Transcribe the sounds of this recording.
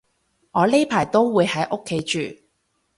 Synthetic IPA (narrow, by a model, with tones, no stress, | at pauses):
ŋɔː˨˧le˥jpʰaː˨˩jt̪o˥wwuː˨˧jhɐ˨˥jʔo˥kʰːe˨˧˥jt͡ʃyː˨